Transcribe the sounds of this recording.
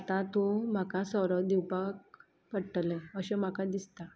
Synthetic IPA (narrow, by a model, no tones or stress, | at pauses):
t̪at̪om̤akasəɾəd̪iwpak̚ | pəɽʈlɛəɕɛm̤akad̪ist̪a